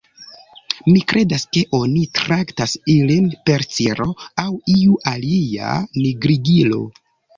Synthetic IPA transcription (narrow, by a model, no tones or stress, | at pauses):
mikɾʔe̞daske̞ʔo̞nitɾaktasilinpe̞ɾt͡siɾo̞awiuʔalia̰niɡɾiɡilo̞̰